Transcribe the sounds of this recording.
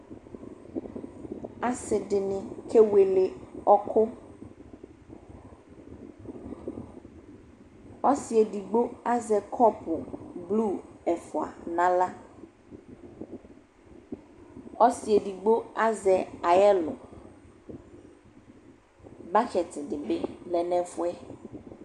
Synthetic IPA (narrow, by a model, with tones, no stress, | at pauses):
a˦sɪ˨ɖɪ˨nɪ̃˨kʰe˦we˨le˨ɔ˦kʰʊ˦ | ɔ˦si˨e˨ɖi˨ɡ͡bo˦a˦zɛ˨kʰɔ˦pʊ˨blu˦˨ɛ˨fʊ˨a̰˨nã˦la˦ | ɔ˦si˨ɛ˨di˨ɡ͡bo˦a˦zɛ˨a˨jɛ˦lʊ̰˨ | ba˦xɛ˨tɪ˨dɪ˨bɪ˦lɛ˨nɛ̃˦fʊ˦ɛ˦